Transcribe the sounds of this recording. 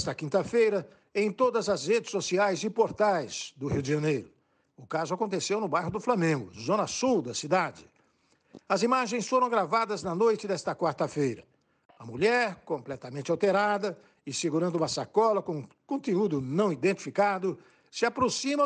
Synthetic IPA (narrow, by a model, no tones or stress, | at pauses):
st̪ɐkĩnt̪ɐfejɾɐ | ẽj̃t̪od̪ɐzɐzhed͡ʒɪ̥sːosiajzɪpoɾt̪ajz̥d̪ʊhiwd͡ʒɪʒɐ̃nejɾʊ | ʊkazʊakõnt̪esewnʊbajɦʊd̪ʊflamẽŋɡʊ̰zõnɐsuwd̪ɐsid̪ad͡ʒɪ | ɐzimaʒẽj̃sfoɾɐ̃w̃ɡɾavad̪ɐznɐnojt͡ʃɪd̪ɛst̪ɐkwaɾt̪ɐfejɾɐ | ɐmuʎɛɾkõmplɛt̪ɐmẽnt͡ʃawt̪eɾad̪ɐ | ɪsɪɡuɾɐ̃nd̪ʊũmɐsakɔlɐkõ | kõnt̪eud̪ʊnɐ̃w̃id̪ẽnt͡ʃi̥fikad̪ʊ | sɪapɾosĩmɐ